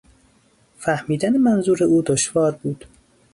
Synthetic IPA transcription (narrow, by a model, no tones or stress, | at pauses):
fæhmiːd̪ænemænzuːɾeʔuːd̪oʃvɒːɾbuːd̪̥